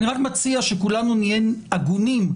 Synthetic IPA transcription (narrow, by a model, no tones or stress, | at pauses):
niʁakmat͡siaʃekulanunienaɡunim